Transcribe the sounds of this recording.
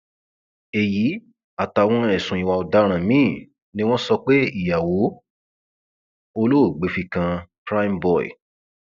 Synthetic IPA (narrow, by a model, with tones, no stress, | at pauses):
e˨ji˨˦ | a˨ta˨˧˨w̃ɔ̃˧ɛ˨sũ˨ĩ˨˧wa˧o˧da˨˦ɾ̃ã˨mĩ˦˨ | nĩ˦w̃ɔ̃˦sɔ˧k͡pe˦i˦˨ja˨wo˨˦ | o˧lo˦o˦˨ɡ͡be˨˦fi˧kã˧pɾa˦i˧mbɔ˦˨ḭ˨